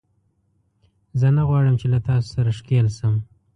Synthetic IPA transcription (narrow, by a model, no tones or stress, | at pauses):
zənaɣwɑɽəmt͡ʃelat̪ɑso̥saɾaʂkelsəm